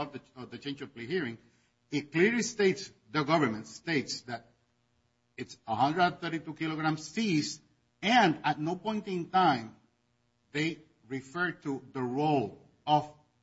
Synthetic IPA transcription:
vðəðət͡ʃẽɪ̃nd͡ʒʌvplehiɹɪ̃ŋ | ɪt̚kliɹlisteɪts | ðəɡʌvə˞mɨ̃ntst̪eɪtsðæɾ̚ | ɪtsəhʌ̃ndɹəd̃nθɜ˞ɾitukiloɡɾãmsis | æ̃ndæt̚noʊpɔ̃j̃ntɪ̃ntãɪ̃m | ðeɪ | ɹifɜ˞tʰuðəɹol | ʌv

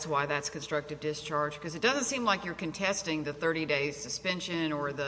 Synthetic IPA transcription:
swaɪðætskɨ̃n̩stɹ̥ʌk̚tɨvdɪst͡ʃʰɑɹd̥ʒ̥kʰʌzɨt̚d̥ʌzə̃ntsĩmlaɪkjə˞kɨ̃n̩tʰɛstɪ̃ŋðɨθɜ˞ɾideɪz̥sɨspɛ̃nʃɨ̃nə˞ðɨ

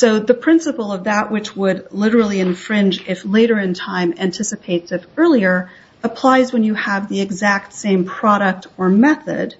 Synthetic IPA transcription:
soʊðɨpʰɹ̥ɪ̃nsəpl̩ˠʌvðəʔwɨt͡ʃwədlɪɾə˞l̩ˠiɨ̃nfɹɪ̃nd͡ʒɪfleɪɾə˞ɨ̃ntʰãɪ̃mæ̃ntʰɪsɨpʰeɪtsɨfɜ˞lˠiə˞ | əpʰl̥aɪzwə̃njɨəvðiɨɡzæk̚tsẽɪ̃mpʰɹ̥ɑɾək̚tə˞mɛθɨ̰d̥

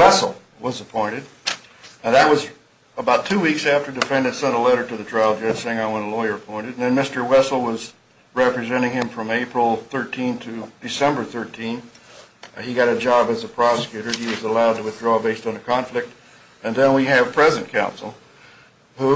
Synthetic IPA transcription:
wɛsl̩ˠ | wʌzəpʰɔ̃ɪ̃ɾ̃ɨd̚ | ɨnðɨt̚wʌz | əbaʊtʰʉwiksæftə˞dɨfɛ̃ndɨ̃nsɛ̃ñəlɛɾə˞ɾɨðɨtʰɹ̥aɪlˠd͡ʒʌd͡ʒ̥seɪɪ̃ŋaɪwɛ̃ñəlɔɪə˞ɨpʰɔ̃ɪ̃ñɨd̚n̩ðɨ̃nmɪstə˞wɛsl̩ˠwʌz | ɹɛpɹɨzɛ̃ɾ̃ɪ̃ŋɨ̃ɱfɹʌ̃meɪpɹl̩ˠθɜ˞tʰĩntʰɨd̥ɨsɛ̃mbə˞θɜ˞tʰĩn | iɡɑɾɨd͡ʒɑbɨzəpʰɹ̥ɑsɨ̥kʰj̥ʉɾə˞iwʌzəlaʊd̚tɨwɨθdɹɔbeɪstn̩ɨkʰɑ̃ɱflɨk̚t | ɨ̃nðɨ̃nwiɨv̥pʰɹ̥ɛzɨ̃n̩kʰãʊ̃nsl̩ˠ | hu

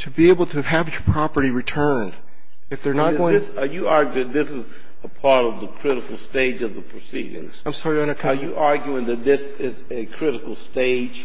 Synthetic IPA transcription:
tʰɨbieɪbl̩ˠtʰɨɨvjə˞pʰɹ̥ɑpə˞ɾiɹitʰɜ̃˞nd̥ | ɨfðə˞nət̚ɡɡõɪsəjɨɑɹɡj̃ðɪsɨz | əpʰɑɹɾʌvðəkʰɹ̥ɪɾɨkl̩ˠsteɪd͡ʒʌvðəpʰɹ̥ɨsḭɾɪ̰̃ŋz̥ãɪ̃msɑɹiʌ̃nəkʰə˞jɨʔɑɹɡjʉɪ̃ŋðɨt̪̚ðɪs | ɪz | ɨkʰɹ̥ɪɾɨkl̩ˠsteɪd̥d͡ʒ̥

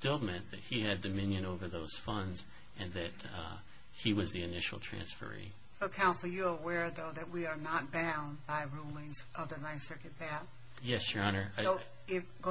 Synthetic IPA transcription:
tɪlˠmɛ̃nðɨt̚hiɨdɨmɪ̃njɨ̃noʊvə˞ðoʊz̥fʌ̃ndz | ʔɨ̃nðɨt̚ | hiwʌzðiɨnɪʃl̩ˠtʰɹ̥æ̰̃nsfə̰˞ḭ | soʊkʰãʊ̃nsl̩ˠjə˞əwɛɹðoʊðɨt̚wiə˞nət̚b̥ãʊ̃nbaɪɹulˠɪ̃ŋzʔʌvðɨnãɪ̃sɜ˞kɨt̚b̥æ | jɛsjə˞ɑnə˞ʊ | ɪfɡ̥o

